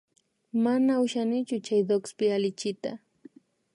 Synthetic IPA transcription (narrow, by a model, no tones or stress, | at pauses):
manaʊʃanɪt͡ʃʊt͡ʃajd̪okspɪalɪt͡ʃɪt̪a̰